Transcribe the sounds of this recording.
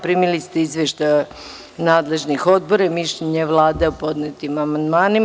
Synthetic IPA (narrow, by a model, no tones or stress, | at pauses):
pɾimilist̪eizʋeʃt̪ajo | naːd̪le̞ʒnixo̞d̪̚bo̞ɾamiʃʎeɲeʋlˠaːd̪aupo̞d̪net̪imamand̪maːni